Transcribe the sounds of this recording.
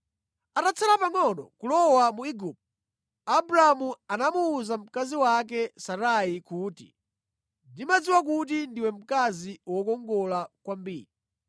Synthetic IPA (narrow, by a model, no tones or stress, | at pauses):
atat͡sʰalapaŋɔnɔ̰kulɔwamuiɡup̚ | abɾaamuanamuːzam̩kaziwak̬ɛsaɾaikuːtḭ | ndimad͡ziwak̬ut̬indiwɛm̩kaziwɔkɔŋɡɔlakwambiːɾi